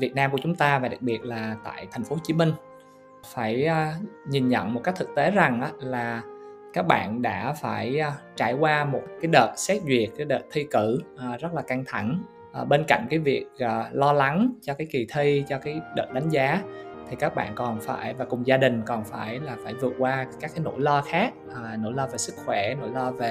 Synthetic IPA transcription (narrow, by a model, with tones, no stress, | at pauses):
vi˨˩ət̚naː˧mku˧˩ət͡ɕʊ˨˦ŋ͡mt̪aː˧vaː˨˩ɗa˨˩k̚ɓi˨˩ət̚laː˨˩t̪a̰ː˧˨jt̪ʰa˨˩jŋ̟fo˨˦t͡ɕi˨˦mï˧ŋ̟ | faː˧˩jɲi˨˩nɲə̰˧˨nmo˨˩kk̚t̪ɨ˨˩k̚t̪e˨˦za˨˩ŋʔaː˨˦laː˨˩kaː˦˥k̚ɓa̰ː˧˨nɗa̰ː˧˥faː˧˩jt͡ɕaː˧˩jkwaː˧mo˨˩t̚kaː˨˦jɗəː˨˩t̚sɛ˦˥t̚zwi˨˩ət̚kaː˨˦jɗəː˨˩t̚t̪ʰi˧kɨ˧˩˨zə˦˥t̚laː˨˩ka˧ŋt̪ʰa˧˩ŋ | ʔɓe˧nka̰˧˨ŋ̟kaː˨˦jvi˨˩ək̚ʔːlɔ˧la˨˦ŋt͡ɕɔ˧kaː˨˦jki˨˩t̪ʰi˧t͡ɕɔ˧kaː˨˦jɗə̰ː˨˩t̚ɗa˨˦ŋ̟zaː˨˦t̪ʰi˨˩kaː˦˥k̚ɓa̰ː˧˨nkɔ˨˩nfa̰ː˧˩jvaː˨˩kʊ˨˩ŋ͡mzaː˧ɗï˨˩ŋ̟kɔ˨˩nfaː˧˩jlaː˨˩faː˧˩jvɨ˨˩ət̚kwaː˧kaː˦˥k̚ːaː˨˦no̰˧˥˨jlɔː˧xaː˦˥k̚ʔːno̰˧˥jlɔː˧ve˨˩sɨ˦˥k̚xwɛ˧˩no̰˧˥jlɔː˧ve˨˩